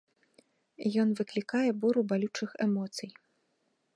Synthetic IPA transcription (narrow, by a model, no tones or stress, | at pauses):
jɔn̪vɨklʲikajɛbuɾubalʲut͡ʂɨxɛmɔt̪sɨj